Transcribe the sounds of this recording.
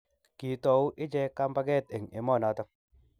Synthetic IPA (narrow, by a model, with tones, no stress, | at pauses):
ki˨tɔ˨u˦ʔɪ˦d͡ʒɛ˦ka˦mpa˦kɛ˦˨te˨ŋe˨mɔː˦˨nɔ˨˦ta˦